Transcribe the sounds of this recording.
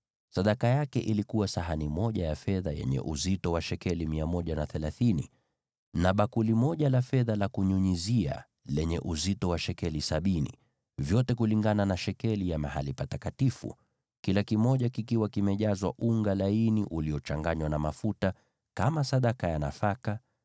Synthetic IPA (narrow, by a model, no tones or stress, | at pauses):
saɗakajakɛʔilikuwasaɦanimɔʄajafɛðajɛ̰ɲɛ̰ʔuzitɔwaʃɛkɛlimiamɔʄanaθɛlaθinḭ | naɓakulimɔʄalafɛðalakuɲuɲizia̰ | lɛɲɛ̰ʔuzitɔwaʃɛkɛlisaɓinḭ | vjɔtɛkuliŋɡananaʃɛkɛlijamahalipatakatifṵ | kilakimɔʄakikiwakimɛʄazwaʔuŋɡalainiʔuliɔt͡ʃaŋɡaɲwanamafuta | kamasaɗakajanafaka